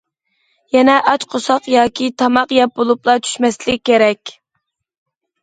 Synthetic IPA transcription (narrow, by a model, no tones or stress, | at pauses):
jɛnɛʔɑt͡ʃqʰosɑqjɑːkʲʰit̪ʰɑmɑqjɛp̚bolˠuplˠɑt͡ʃ̪ʰy̥ʃmɛslɪk̚ʲːeɾɛkʲ